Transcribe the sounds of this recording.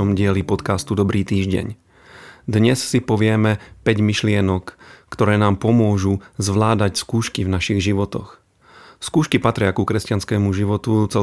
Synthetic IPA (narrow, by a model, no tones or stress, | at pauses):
ɔmɟɪɛlipɔt̪kast̪ud̪ɔbɾiːt̪iːʒɟɛ̰ɲ | d̪ɲɛssipɔʋɪɛmɛpɛɟmiʃlɪɛnɔkːt̪ɔɾɛːnaːmpɔmʊɔʒuzʋlaːd̪acskuːʃkivnaʃiɣʒiʋɔt̪ɔ̰x | skuːʃkipat̪ɾɪakukɾɛscanskɛːmuʒiʋɔt̪ut͡sɛ